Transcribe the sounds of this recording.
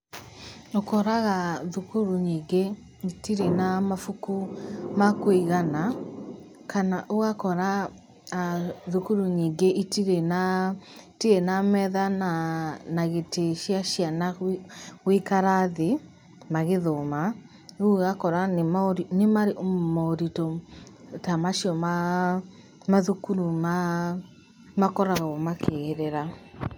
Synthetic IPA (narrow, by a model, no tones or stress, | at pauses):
nokɔɾaɣaðukuɾuɲiːɡe | itiɾenamafukumakweiɣana | kanaʔoɣakɔɾa | ðukuɾuɲiːŋɡeʔitiɾena | tiɾenamɛðananaɣeteʃjaʃjana | ɣwikaɾaðe | maɣeðoma | oɣakɔɾanemaoɾinemaɾeʔommaoɾitɔtamaʃiɔma | maðukuɾuma | makɔɾaɣɔmakʰeɣeɾeɾa